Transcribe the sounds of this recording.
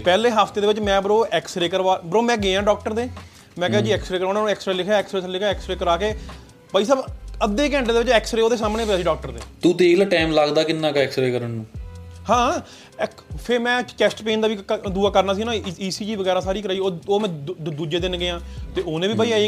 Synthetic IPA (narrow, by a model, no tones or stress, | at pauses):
pɛːleːɦaːpʰt̪eːd̪eːʋɪt͡ʃmɛ̃ːbəɾoːʔɛːksɾeːkəɾʋaːbəɾoːmɛ̃ːɡeãːɖɔːk̚ʈəɾd̪eː | mɛ̃ːkɛːad͡ʒiːɛːksɾeːkəɾaʊnãːnũːɛːksɾeːlɪkʰaːɛːksɾeːslɪkːɛːksɾeːkəɾaːkeː | baːiːs̬aːbəd̪ːeːkɛ̃ɳʈed̪eːʋɪt͡ʃɛːksɾeːoːd̪eːs̬aːmnẽːpjaːsiːɖɔːk̚ʈəɾd̪eːt̪uːt̪eːlaːʈɛːmlaɡd̪aːkɪnːaːkɛːksɾeːkəɾəɳnũːhãː | pʰɪɾmɛ̃ːkɛːsʈpeːnd̪aːʋiːd̪uːaːkəɾnaːs̬iːnãːiːsiːd͡ʒiːʋəɡɛːɾaːsaːɾiːkəɾaːioːoːmɛ̃ːd̪uːd͡ʒeːd̪ɪnɡɪãːt̪eːoːnẽːʋiːbaːiaː